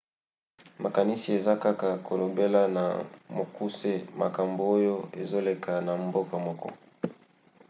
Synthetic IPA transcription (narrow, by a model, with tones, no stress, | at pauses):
ma˨ka˨ni˦si˨e˨za˦ka˦ka˨kʰo˨lo˨be˦la˦na̰˨mo˨ku˦se˦ma̰˨ka˨mbo˨o˦jo˦e˨zo˦le˨kʰa˨na˨mbo˦ka˨mɔ˦kɔ̰˦